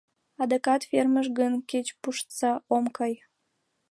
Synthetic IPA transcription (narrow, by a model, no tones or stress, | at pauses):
ɑd̪ekɑt̪ferməʒɡənket͡ɕpuʃt̪sɑomkɑj